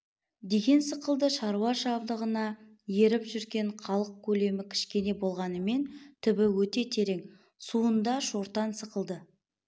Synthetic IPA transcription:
d̪e̞ɡʲe̞nsəqəlˠd̪əʃɑɾuwɑʃɑbd̪əʁənɑ | jeɾɪpʒʏɾɡʲe̞ɴχʰɑlˠəq̚kʲʰɵle̞mɪkʲʰɪ̥ʃkʲe̞ne̞bo̞lˠʁɑnəme̞nt̪ʰɪbɪwɵt̪e̞t̪ʲʰe̞ɾe̞ŋ | suənd̪ɑʃoɾt̪ɑnsəqəlˠd̪ə

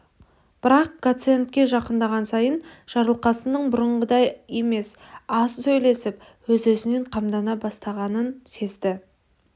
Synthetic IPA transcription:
b̥ɪɾɑq̚ɡ̪̥ot̪sɨent̪̚kʲe̞ʒɑqənd̪ɑʁɑnsɑjənʒ̥ɑɾlˠqɑsənəɴbʊɾəɴʁəd̪ɑje̞me̞s | ɑssɵjle̞sɪpwɵzɵzɪne̞ɴqʰɑmd̪ɑnɑbɑst̪ɑʁɑnənse̞zd̪ɪ

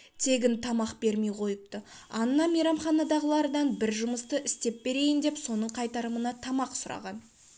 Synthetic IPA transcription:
t̪ʰe̞ɡʲɪnt̪ʰɑmɑqbe̞ɾme̞jqʰo̞jəp̚t̪əɑnːɑmejɾɑmχɑnɑd̪ɑʁəlˠɑɾəd̪ɑnbɪɾʒʊməst̪əʔɪst̪e̞p̚be̞ɾe̞jɪnd̪e̞pso̞nəɴqʰɑjt̪ɑɾəmənɑt̪ʰɑmɑqsʊɾɑ̰ʁɑn

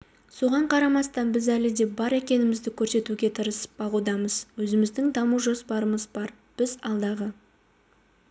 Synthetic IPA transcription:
so̞ʁɑɴqʰɑɾɑmɑst̪ɑnbɪzælɪd̪e̞bɑɾekʲe̞nɪmɪzd̪ɪkʲʰɵɾse̞t̪uɡʲe̞t̪ʰəɾəsə̥pb̥ɑʁud̪ɑməz̥wɵzɪmɪzd̪ɪŋd̪ɑmuʒo̞spɑɾəməzbɑɾ | b̥ɪzɑlˠd̪ɑʁə

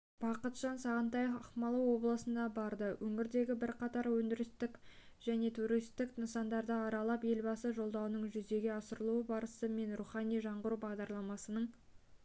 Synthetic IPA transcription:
b̥ɑqət̪ʒɑnsɑʁənt̪ɑjəχmɑlˠəwo̞blˠəsənd̪ɑbɑɾd̪əwʔɵŋɪɾd̪e̞ɡʲɪbɪɾqɑt̪ɑɾwɵnd̪ɪɾɪst̪ɪk | ʒ̥æne̞t̪ʰuɾijst̪ɪknəsɑnd̪ɑɾd̪əɑɾɑlˠɑpe̞lbɑsəʒo̞lˠd̪ɑwənəɴʒʏze̞ɡʲe̞ɑsəɾəlˠuəbɑɾəsəme̞nruχɑnijʒɑɴʁʊɾubɑʁd̪ɑɾlˠɑmɑsənəɴ

